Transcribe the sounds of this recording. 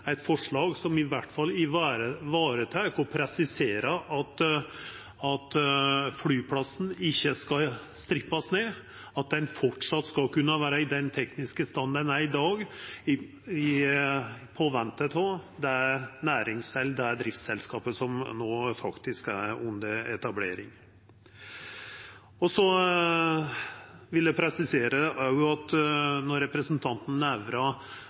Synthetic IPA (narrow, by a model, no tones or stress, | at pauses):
æɪt̪fɔʂɭɑːɡsɔmɪʋæʈːfɑlɪʋɑːɾəʋɑːɾət̪ʰækɔpʰɾɛsɪseːɾəʔɑt̪ | ɑt̪flyːpʰlɑsn̩ɪçːəskɑ | st̪ɾɪpːɑsneː | ɑt̪̚d̪ɛnfɔʈʂɑt̪ːskɑkʉnːəʋæːɾəɪd̪ɛnt̪ʰɛknɪskəst̪ɑnd̪ænæɪd̪ɑːɡɪ | ɪ | pʰoːʋɛnt̪ət̪od̪ɛæɾnæːɾɪŋsɛlːd̪ɛæɖ̪ɾɪft̪sɛlskɑːpəsɔmnoːfɑkt̪ɪskæɾʊnd̪əɛt̪ɑbleːɾɪŋ | ɔsɔ | ʋɪld̪ɛpʰɾɛsɪseːɾəʔæɾjʊɑt̪nɔɾɛpɾəsənt̪ʰɑnt̪n̩ːæʋɾɑ